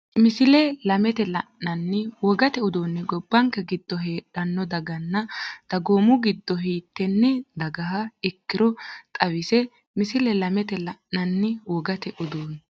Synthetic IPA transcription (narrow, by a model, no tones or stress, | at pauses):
mɪsɪlɛlɐmɛt̪ɛlɐʔːɐnːɪwɔɡɐt̪ɛʊd̪oːnːɪɡɔbːɐŋkːɛɡɪd̪ːɔɦeːᶑɐnːɔd̪ɐɡɐnːɐd̪̥ɐɡoːmʊɡɪd̪ːɔɦiːt̪ːɛnːɪd̪ɐɡɐɦɐɪkːɪɾɔt̪ʼɐwɪsɛ | mɪsɪlɛlɐmɛt̪ɛlɐʔɐnːɪwɔɡɐt̪ɛʔʊd̪oːn